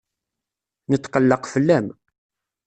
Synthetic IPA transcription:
nət͡sːqəlːəqfəlːæm

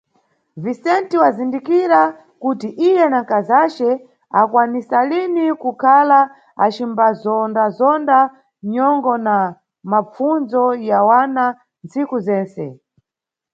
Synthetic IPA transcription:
visɛntiwazindikiɾa | kutiʔijɛnaŋkazat͡ʃɛ | akwanisalinikukʰala | a̰t͡ʃimbazɔndazɔnda | ɲɔŋɡɔna | map͡funzɔjawana | nt͡sikuzɛːnsɛ̰

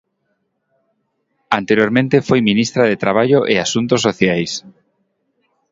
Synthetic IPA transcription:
ant̪eɾjoɾmẽnt̪efojmĩnist̪ɾaðet̪ɾaβ̞aʎoʔeasunt̪osːoθjajs

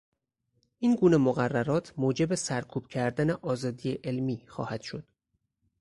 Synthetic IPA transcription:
ʔiːnɡuːne̞moɣærːæɾɒːt̪ʰmoːd͡ʒe̞besæɾkʰuːb̥cʰæɾd̪æneʔɒːzɒːd̪iːeʔelmiːxɒ̰ːhæd̪̥ʃo̞d̪̥

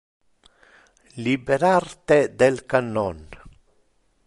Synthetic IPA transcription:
libeɾaɾt̪ed̪elkanːɔn

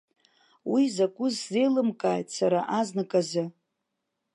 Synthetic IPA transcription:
wizakʷʼʊzze̞jlɨmkʼaːjtʼsaɾaʔaznɨkʼazɨ

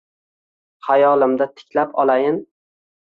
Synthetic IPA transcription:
hajɒlˠɪmd̪at̪ʰɪ̥kʲlapʰɒlˠajɪn

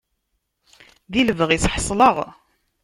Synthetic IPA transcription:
ðiləvəʁjəsħə̥sˤləʁ

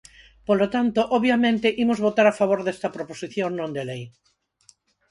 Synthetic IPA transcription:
polot̪ant̪oʔoβjamẽnt̪eʔimozβot̪aɾafaβ̞oɾðest̪ɐpɾoposiθjoŋnõnd̪elej

